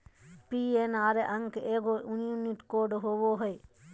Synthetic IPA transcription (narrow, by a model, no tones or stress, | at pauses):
pienaɾeʔaŋkeʔeɡouniuniʈkoɖɦoboɦɔj